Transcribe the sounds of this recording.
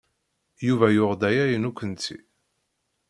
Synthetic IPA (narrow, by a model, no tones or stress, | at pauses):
juvæjʊʁd̪æjæjənukʷːənt̪ḭ